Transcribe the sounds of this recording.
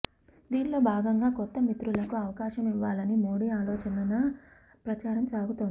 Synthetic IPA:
d̪iːɳlo̞ːbʱaːɡɐŋɡaːkɔt̪ːɐmit̪ɾulɐkuɐʋɐkaːʃɐmiʋːaːlɐnimoːɽiaːlɔːt͡ʃɐnɐnɐ | pɾɐt͡ʃaːɾɐmt͡ʃaːɡut̪uni

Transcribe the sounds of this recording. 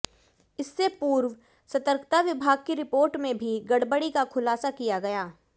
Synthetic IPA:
ɪsːepuːɾʋ | sɐt̪əɾkt̪ʰaʋɪbʱaːɡ̚kiɾɪpoːɾʈmẽbʱiɡɐɽbəɽikakʰʊlaːsakijaɡɐjaː

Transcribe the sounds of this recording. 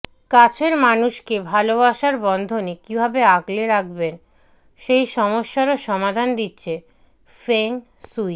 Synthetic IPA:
kat͡ɕʰeɾmanuʃkebʱalobaʃaɾbɔnd̪ʱonekibʱabeaɡleɾak̚ʰben | ʃejʃɔmoʃːaɾoʃɔmad̪ʱand̪itːɕʰe | feŋ | suj

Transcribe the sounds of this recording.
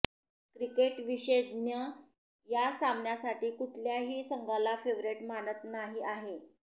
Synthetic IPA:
kɾikeʈʋiɕed̪njə | jasamɳjasaʈiːkuʈʰljaɦiːsəŋɡalafeʋɾeʈmanət̪naɦiːʔaɦe

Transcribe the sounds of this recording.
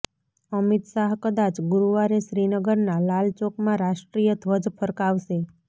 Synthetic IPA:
əmit̪ʃaɦkəd̪at͡ʃɡuɾuʋaɾeʃɾinəɡəɾnalalt͡ʃokmãɾaʃʈɾijəd̪ʱʋəd͡ʒpʰəɾkaʋʃe

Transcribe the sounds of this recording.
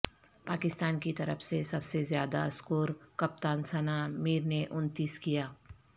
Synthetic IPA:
paːkɪst̪aːnkit̪ɐɾəfsesɐbsezjaːd̪aɐskuːɾkɐp̚t̪aːnsɐnamiːɾneʔʊnt̪ɪskijaː

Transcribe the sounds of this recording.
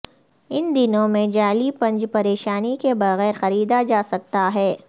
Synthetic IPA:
ɪnd̪ɪnõmẽd͡ʒaːlipɐ̃ɲd͡ʒpɐɾeːʃaːnikebɐɣɛːɾxɐɾiːd̪ad͡ʒaːsɐk̚t̪aɦɛː

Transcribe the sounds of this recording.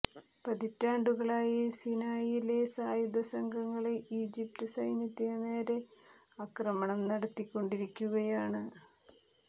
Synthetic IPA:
pɐðitːaːɳɖuɣɐɭaːjisinaːjilesaːjud̪ɐsɐŋɡʱɐŋːɐɭeʔiːd͡ʑip̚tɨsɐjnjɐt̪ːinene̞ːɾe̞ | ɐkrɐmɐɳɐmnɐɽɐt̪ːikʲːo̞ɳɖiɾikʲːuɣɐjaːɳɨ

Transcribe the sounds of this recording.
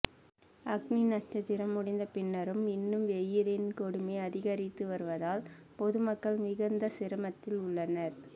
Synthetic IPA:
ɐɡninɐʈt͡ʃɐt͡ʃɪɾɐmːʊɽɪnd̪ɐpɪnːɐɾɯmɪnːɯmʋɛjːɪɾɪnkɔɽɯmeɪɐðɪɣɐɾɪt̪ːɯʋɐɾɯʋɐðaːl | pɔðɯmɐkːɐɭmɪɣɐnd̪ɐsɪɾɯmɐt̪ːɪlʊɭːɐnɐɾ

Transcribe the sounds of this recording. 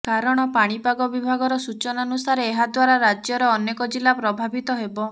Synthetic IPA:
kaɾɔɽ̃ɔpaɽ̃ipaɡɔbibʱaɡɔɾɔsut͡ʃɔnanusaɾeːɦad̪waɾaɾad͡ʒjɔɾɔɔnjekɔd͡ʒilapɾɔbʱabit̪ɔɦebɔ

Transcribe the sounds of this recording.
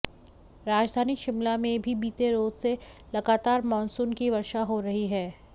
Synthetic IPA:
ɾaːd͡ʒd̪ʱaːniʃɪmlamẽbʱibiːt̪eɾoːzselɐɡaːt̪aːɾmɔːnsuːnkiʋɐɾʃaɦoɾɐɦiɦɛː

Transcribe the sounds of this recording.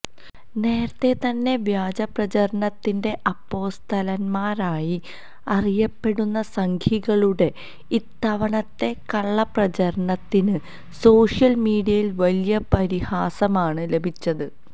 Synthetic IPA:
ne̞ːɾɐt̪ːe̞t̪ɐnːe̞ʋjaːd͡ʑɐprɐt͡ɕɐɾɐɳɐt̪ːinde̞ʔɐpːo̞ːst̪ʰɐlɐnmaːɾaːji | ɐrijɐpːe̞ɽunːɐsɐŋkʰiɣɐɭuɽe̞ | it̪ːɐʋɐɳɐt̪ːe̞kɐɭːɐprɐt͡ɕɐɾɐɳɐt̪ːinɨ | so̞ːʂjɐlmiːɽijɐjilʋɐlijɐpɐɾihaːsɐmaːɳɨle̞bʱit͡ɕːɐðɨ

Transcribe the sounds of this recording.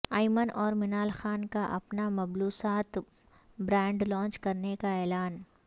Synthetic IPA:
aːɪmənʔɔːɾmɪnaːlxaːnkaʔɐ̰pnamɐbluːsaːt̪ | bɾɛ̃ːɳɖlɔ̃ːnt͡ʃkɐɾnekaɛːlaːn

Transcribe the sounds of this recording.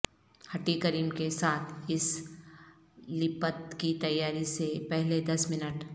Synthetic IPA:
hɐʈikəɾiːmkesaːt̪ʰɪs | lɪpət̪̚kit̪ɐjːaːɾisepɛɦled̪ɐsmɪnəʈ

